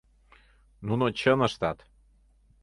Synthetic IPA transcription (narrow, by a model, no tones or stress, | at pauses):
nunot͡ɕənə̆ʃt̪ɑt̪